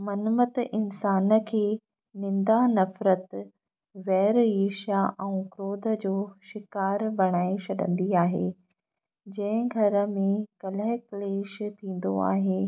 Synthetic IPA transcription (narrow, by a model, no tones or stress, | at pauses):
mɐnmət̪ɪnsaːnə̆kʰeː | nɪ̃nd̪anɐfɾət̪ | ʋɛːɾeːʃaʔɛ̃ũkɾoːd̪ʱə̆d͡ʑoːʃɪkaːɾbɐɽ̃aːet͡ɕʰɐɗə̰̃nd̪iaːɦḛː | d͡ʑɐ̃ɦɪ̃ɡʱɐɾə̆mẽkɐləɦɪkleːʃt̪ʰĩːn̆d̪o̰a̰ːɦeː